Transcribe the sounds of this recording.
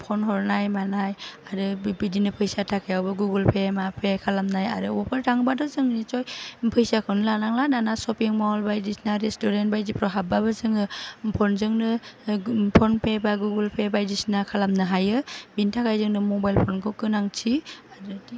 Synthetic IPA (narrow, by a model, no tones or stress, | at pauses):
pʰɔnɦɔɾnajmanajaɾɯbidinɯpʰɯjsatʰakʰajawbɯɡuɡɯlpʰemapʰekʰalamnaja̰ɾɯɔpʰaɾtʰaŋbadɔzɯŋnit͡ʃɔjpʰɯjsakʰɯwnɯlanaŋlananasɔpeŋmalbajdisnaɾestuɾent̚bajdipʰɾɔɦabːabɯzɯŋɯpʰɔnzɯŋnɯ | pʰɔnpʰebaɡuɡɯlpʰebajdisnakʰalamnɯɦajɯbintʰakʰajzɯŋnɯmɔbajlpʰɔnkʰɯwkɯnaŋtʰiaɾɯdi